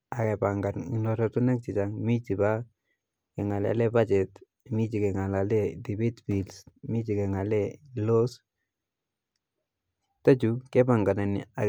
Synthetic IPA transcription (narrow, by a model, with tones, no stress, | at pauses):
a˨kɛ˨paŋɡa˨ni˨nɔɾatu˦nɛ˦k̚t͡ʃi˨t͡ʃaŋmi˦t͡ʃi˨ba˦ | kɛ˨ŋa˨lɛa̰˨lɛ˦pa˦t͡ʃɛ˨t | mi˦t͡ʃi˨kɛ˨ŋa˨lalɛ˦ti˨bi˦tbi˨lsmi˦t͡ʃi˨kɛ˨ŋa˨lɛlo˦s | ta˦t͡ʃu˨kɛ˦pa˨ŋɡa˨na˨ni˨a˨